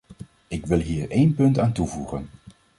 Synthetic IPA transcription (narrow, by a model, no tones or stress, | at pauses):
ɪkʋɪlˠɦiːɹejnpɵntaːntuvuχən